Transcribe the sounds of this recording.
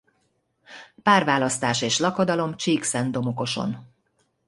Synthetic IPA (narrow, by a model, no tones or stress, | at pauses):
paːrvaːlɒst̪aːʃeːʃlɒkod̪ɒlo̞mt͡ʃiːksɛnd̪o̞mo̞ko̞ʃo̞̰n